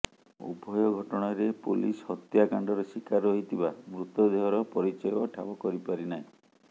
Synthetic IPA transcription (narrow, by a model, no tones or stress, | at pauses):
ṵbʱɔjɔɡʱɔʈɔɽ̃ɔɾepulishɔt̪jakaɳɖɔɾesikaɾɔɦit̪ʰibamɾut̪ɔd̪eɦɔɾɔpɔɾit͡ʃɔjɔʈʰabɔkɔɾipaɾinaɦĩ